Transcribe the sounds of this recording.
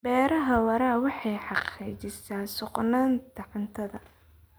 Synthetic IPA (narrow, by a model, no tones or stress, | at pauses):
bɛːɾɐɦɐwɑɾaːwɑħɑjħɑqiːt͡ʃɪsaːsʊqnaːnt̪ʰɑʕɪnt̪ʰɐðɐ